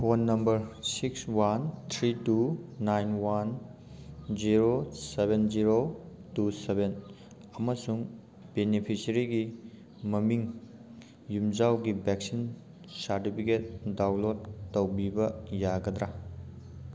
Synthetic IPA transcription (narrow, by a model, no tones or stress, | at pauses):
pʰonːɐmbɐɾsikswant̪ʰɾitunajnwan | ziɾosebend͡ʒiɾotuseben | ɐmɐsuŋ | benipʰisɐɾiɡi | mɐmiŋ | jumd͡ʒawɡibek̚sin | saɾtipʰiket̚dawlotːɐwbibɐjaɡɐd̪ɾa